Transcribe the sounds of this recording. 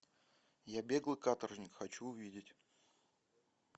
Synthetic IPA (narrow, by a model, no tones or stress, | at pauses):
jabʲe̞ɡlˠɨkat̪ərʐnʲɪkxɐt͡ɕuʊvʲidʲɪtʲ